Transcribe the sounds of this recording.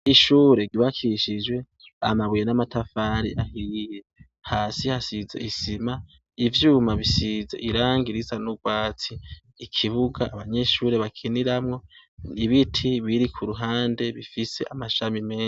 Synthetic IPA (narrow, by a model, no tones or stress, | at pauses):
iʃuːɾe̞ɡiβakʰiʃid͡ʒwe̞ | a̰maβujenamatʰafaɾḭʔahiːje̞ | haːsihasizḛʔisima | ivjuːmaβisizḛʔiɾaːŋɡiɾizanuɡwaːt͡siː | kʰiβuɡaːβaɲe̞ʃuːɾe̞βakʰiniɾamŋo̞niβitʰiβiɾikʰuɾuɦaːnde̞βifise̞̰ʔamaʃamimeː